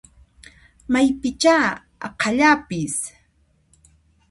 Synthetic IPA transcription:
majpɪt͡ʃaː | ɑ̰qʰɑʎapɪs

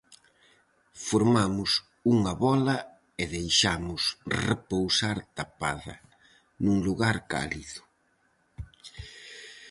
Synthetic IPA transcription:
foɾmamʊs | uŋɐβɔlɐ | ɪðejʃamʊsrepowsaɾt̪apa̰ðɐ̰ | nuŋluɣaɾka̰liðʊ

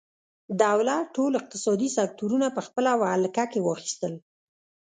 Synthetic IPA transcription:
d̪awlaʈolɪq̚t̪ɪsɑd̪isak̚t̪uɾunapəxpəlawalkakewɑxi̥st̪əl

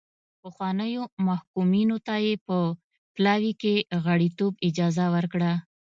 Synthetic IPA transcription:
pəxwɑnəjomahkuminot̪ajepə | plɑwikeɣaɽit̪obɪd͡ʒɑzawəɾkɽa

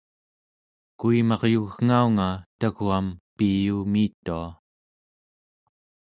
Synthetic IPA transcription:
kuimɑʁjuɣŋauŋat̪aɣuampijuːmiːt̪ːua

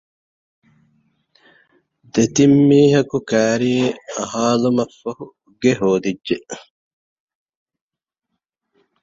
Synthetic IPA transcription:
d̪et̪imːiːɦɐkukæːɾiːɐɦaːlumɐfːɐhu | ɡeɦoːd̪idʒeʔ

